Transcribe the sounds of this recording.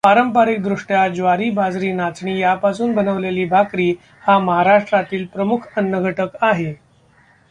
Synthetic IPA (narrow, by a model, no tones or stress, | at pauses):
paɾəmpaɾik̚d̪ɾuʂʈjad͡ʑʋaɾiːbad͡zɾiːnat͡sɳiːjapasuːnbənəʋleliːbʱakɾiː | haməɦaɾaʂʈɾat̪iːlpɾəmukʰənːəɡʱəʈəkaɦe